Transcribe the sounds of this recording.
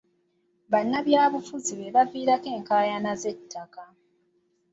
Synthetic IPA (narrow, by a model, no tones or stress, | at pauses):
βanːaβjaːβufuziβe̞βaviːɾake̞ːŋkaːjanaze̞tʰːaka